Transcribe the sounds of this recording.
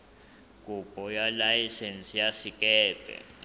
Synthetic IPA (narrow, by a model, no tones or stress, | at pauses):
kʼub̥ʱɔjalajisɛnsijasikʼɛːb̥ʱʼɛ̰